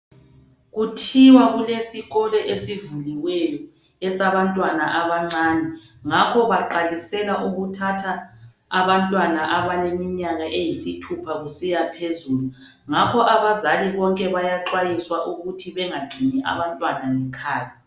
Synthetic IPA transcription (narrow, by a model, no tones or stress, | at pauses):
ɣutʰiwaɣulesiɣɔlɛʔesivuliwɛjɔ | ɛsaβantʼwanaʔaβaŋ͡ǀaːnɛ | ŋakʰɔβaǃalisɛlaʔuɣutʰatʰaː | βantʼwanaʔaβalemiɲaɣaʔejisitʰupʰaɣusijapʰezuːlu | ŋakʰɔʔaβazaliβɔŋkʼɛβajaǁwajiswaʔuɣutʰiβɛŋaɡ͡ǀʱiɲɛʔa̰βantʼwanaŋɛkʰaːja